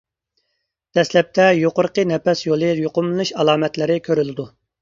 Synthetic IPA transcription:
d̪̥ɛslɛp̚t̪ʰɛjoqʊɾqənɛpɛsjolˠɨjoqʊmlɨnɨʃɑlˠɑːmɛt̪lɪɾɪkʲʰøɾylɪd̪u

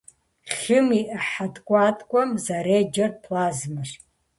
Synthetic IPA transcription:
χʲɪmiʔaħadʼkʷʼatʼkʷʼamzaɾed͡ʒarpʰlazmɨʂ

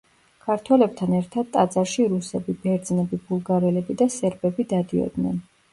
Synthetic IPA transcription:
kʰaɾt̪ʰwɛlɛb̚t̪ʰanɛɾt̪ʰad̪̥̚t̪ʼad̪zaɾʃiɾusɛbibɛɾd̪znɛbibulˠɡaɾɛlɛbid̪asɛɾbɛbid̪ad̪iɔ̰d̪nɛ̰n

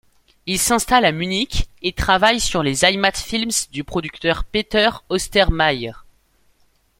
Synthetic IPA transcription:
ilsɛ̃st̪alamynikʲet̪χavajsyʁlezajmat̪filmsd̪ypχɔd̪yk̚t̪œʁpet̪œʁɔst̪ɛʁmajɛʁ

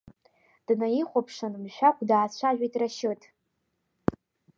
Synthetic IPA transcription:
d̥najiχʷopʰʂanmʃʷᶣakʷʰʼdaːt͡ɕʷʰaʒᶣʷejtʼraʃɨtʰʼ

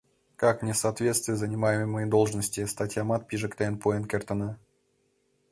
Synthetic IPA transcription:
kaknʲɪsaːt̪vʲet̪st̪vʲɪjzənʲɪmajɪməmːəjəd̪olˠʐnəsʲtʲɪst̪atʲjamat̪̚pʲiʐəkt̪ʲenpoɛnkʲert̪əna

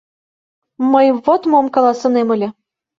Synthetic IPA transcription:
məjβot̪momkɑlˠɑsɤ̆nemə̆lʲɘ̆

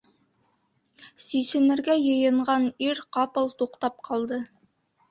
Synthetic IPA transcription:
siʃɘ̆nɘ̆ɾɡæjɤ̆jɤ̆ɴɢɑniɾqɑpɤ̆lˠt̪uqt̪ɑp̚qʰɑlˠd̪ɤ

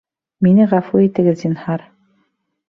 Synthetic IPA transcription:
minɘʁæfuit̪ɘ̆ɡɘðzinhɑɾ

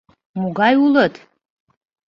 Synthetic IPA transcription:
muɡajulətʰʼ

